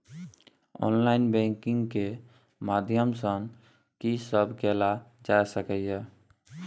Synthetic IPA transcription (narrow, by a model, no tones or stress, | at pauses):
ɔ̰nlainbɛ̃ŋkiŋɡke | mad̪ʱjəmsəŋ | kisəbʱkelad͡ʒaesəkəjjɛ